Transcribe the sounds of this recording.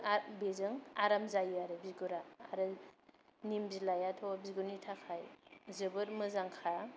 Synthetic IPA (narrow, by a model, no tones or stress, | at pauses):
abezɯŋaɾamzajɯaɾɯbiɡuɾaːɾɯ | nimbilajatʰɔbiɡunitʰakʰajzɯbɯɾmɯzaŋkʰa